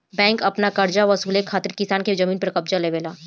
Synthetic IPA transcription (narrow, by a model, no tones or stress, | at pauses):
bɛ̃ːŋkɐpnakɐɾd͡ʒaʋɐsuːlekʰaːt̪ɪɾkɪsaːnked͡ʒɐmiːnpɐɾkɐbd͡ʒaleːʋeːlaː